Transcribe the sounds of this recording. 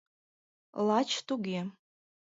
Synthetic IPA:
lat͡ʃʰt̪uɡʲe

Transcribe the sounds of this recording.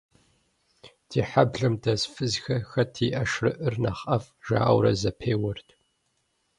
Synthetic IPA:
tʰiːħabɮɐmdɐzfɨzxɐxɐtʰiːʔɐʃrɨʔɨrna̰χɐf | ʒa̰ːʔɐ̰wɾɐ̰zɐpʰeːwɐrtʰ

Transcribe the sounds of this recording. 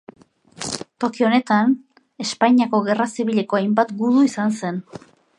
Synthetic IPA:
t̪o̞kio̞ne̞t̪an | e̞spajɲiako̞ɣe̞rasiβiʎe̞ko̞ajmbat̪ɡuðuisanse̞n

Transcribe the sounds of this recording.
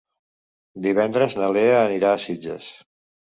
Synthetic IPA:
d̪iβɛnd̪ɾəznəleəːniɾaːsid͡ʒə̰s

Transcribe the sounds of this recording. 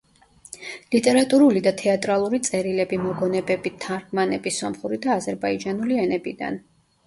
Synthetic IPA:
lit̪ʼɛɾat̪ʼuɾulid̪at̪ʰɛat̪ʼɾalˠuɾit̪sʼɛɾilɛbimɔɡɔnɛbɛbit̪ʰːaɾɡmanɛbisɔmχuɾid̪aːzɛɾbaid͡ʒanuliɛnɛbid̪a̰n

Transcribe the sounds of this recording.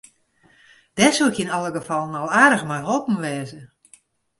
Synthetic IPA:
d̥ɛsuɪkinɔlˠəɡəfɔlˠənɔlˠaːrdəxmɔjɦolˠpən̩ʋɛːzə

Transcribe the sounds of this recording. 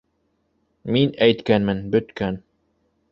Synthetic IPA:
minæjt̪kænmɘnbɵ̆t̪kæn

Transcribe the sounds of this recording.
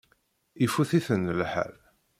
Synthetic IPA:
ifuθiθənːəlħə̰l

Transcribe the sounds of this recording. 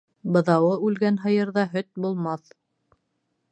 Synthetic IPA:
bɤ̆ðɑwɤʉlɡænɦɤ̆jɤ̆ɾðɑɦɵt̪̚bulˠmɑθ

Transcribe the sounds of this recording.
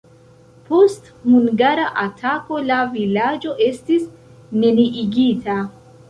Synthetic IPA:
po̞st | huŋɡaɾaʔatʰako̞lavilad͡ʒo̞ʔe̞stis | neniʔiɡita

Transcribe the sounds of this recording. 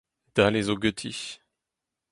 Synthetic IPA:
d̪̥alezoɡøt̪ʰi

